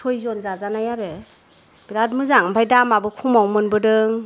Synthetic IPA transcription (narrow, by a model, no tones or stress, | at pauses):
tʰojzɔnzazanajaɾɯ | b̥iɾat̚mɯzaŋɯmpʰajdamabɯkʰumawmɯnbɯdɯŋ